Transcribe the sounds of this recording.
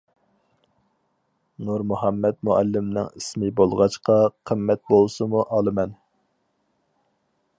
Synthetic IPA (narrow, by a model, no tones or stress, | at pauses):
nuɾmuɦɑmːɛt̪muɛ̰lːɪmnɪ̰ŋismɪbolˠʁɑt͡ʃqɑqʰəmːɛt̪̚bolˠsɨmuʔɑlˠɨmɛn